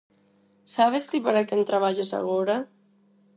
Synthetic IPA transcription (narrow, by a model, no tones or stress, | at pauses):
saβ̞est̪ipəɾakent̪ɾaβ̞aʎesa̰ɣoɾa